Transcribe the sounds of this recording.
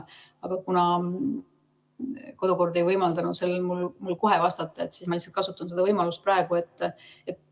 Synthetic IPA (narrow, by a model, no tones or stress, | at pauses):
ɑɡ̥ɑkunɑ | ko̞d̪uko̞rd̪e̞jvɤjmɑld̪ɑnu̥se̞lːemulmulko̞ɦe̞vɑst̪ɑt̪ːˑɑe̞t̪ːsismɑlihsːɑ̥lt̪̚kɑsut̪ːˑuns̬e̞d̪ɑvɤjmɑlust̪̚prɑeɡ̥ue̞t̪ːˑet̪